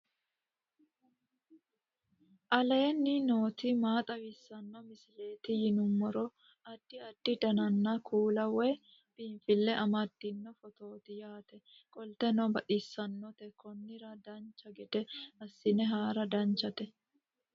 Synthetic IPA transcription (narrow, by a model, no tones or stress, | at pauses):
ʔɐlɛnːɪno̞ːt̪ɪmaːt̪ʼɐwɪsːɐnːɔmɪsɪle̞ːt̪ɪjɪnʊmːɔɾɔ | ɐd̪̥ːɪɐd̪̥ːɪd̪ɐnɐnːɐkʰuːlɐwɛj | b̥iːɱfɪlːɛʔɐmɐd̪ːɪnːɔfɔt̪o̞ːt̪ɪjaːt̪ɛkʼɔlt̪ɛnɔbɐt̪ʼɪsːɐnːɔt̪ɛkʰɔnːɪɾɐd̪ɐnt͡ʃːɐɡɛd̪ɛɐsːɪnɛɦaːɾɐd̪ɐnt͡ʃːɐt̪ɛ